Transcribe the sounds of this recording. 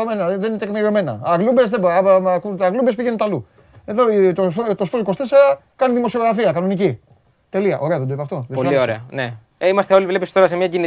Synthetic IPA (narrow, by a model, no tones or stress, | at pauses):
omenɐðeninet̪ekmiɾiome̞nɐ̰ɐɣlumbesðebmkuɐɣlumbespiʝenet̪ɐlu | e̞ðoit̪oot̪ospoliko̞st̪esɾɐkɐniðimo̞sioɣɾɐfiɐkɐno̞nici | t̪e̞liɐ̰ʔo̞ɾe̞ɐðend̪oipɐft̪oðepolioɾeɐne | eimɐst̪e̞o̞livlepist̪o̞ɾɐsemɲɐcini